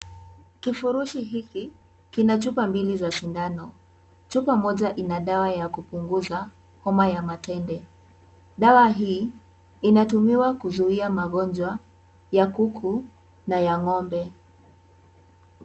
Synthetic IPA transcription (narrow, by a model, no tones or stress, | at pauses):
kifuɾuʃiɦiki | kinat͡ʃupambilizaʃindanɔ | t͡ʃupamɔʄaʔinaɗawajakupuŋɡuza | hɔmajamatɛndɛ | ɗawaɦiː | inatumiwakuzuiamaɠɔnd͡ʒwa | jakukʰu | najaŋɔmbɛ